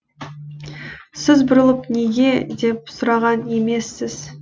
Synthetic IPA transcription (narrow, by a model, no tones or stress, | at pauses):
sɪzbʊɾəlˠəpne̞ɡʲe̞d̪e̞p̚sʊɾɑʁɑne̞me̞sːɪz̥